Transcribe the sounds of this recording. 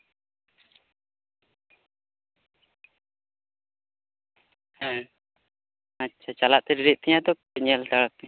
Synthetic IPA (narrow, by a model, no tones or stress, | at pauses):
hɛ | atːt͡ʃʰat͡ʃalaʔt̪ɛɾiɾiʔt̪ɛɲad̪ɔ | əɲɛlt̪aɽak̚t̪ɛ